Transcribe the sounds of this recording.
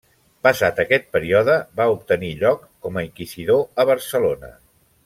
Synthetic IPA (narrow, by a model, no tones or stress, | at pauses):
pəsat̪əkɛt̪̚pəɾiɔðəbaup̚t̪əniʎɔkːɔməiŋkiziðoəβ̞əɾsəlonə̰